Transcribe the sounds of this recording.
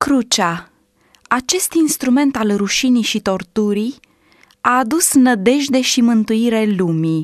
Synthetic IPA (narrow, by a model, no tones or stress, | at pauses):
kɾut͡ʃa | at͡ʃe̞st̪inst̪ɾume̞nt̪alruʃiniʃit̪o̞rt̪uɾij | aːd̪usnəd̪e̞ʒd̪e̞ʃimɨnt̪uiɾe̞lumi